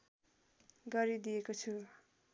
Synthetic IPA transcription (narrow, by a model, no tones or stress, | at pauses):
ɡʌɾid̪ijekot͡sʰu